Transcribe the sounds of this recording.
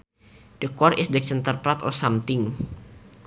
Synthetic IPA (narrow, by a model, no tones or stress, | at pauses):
d̥əkɔɾʔɪsdɛk̚t͡ʃənt̪ərpɾat̪ɔ̰samt̪ɪŋ